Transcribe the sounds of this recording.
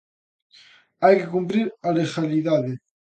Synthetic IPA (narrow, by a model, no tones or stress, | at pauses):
ajkekumpɾiɾalexaliðaðe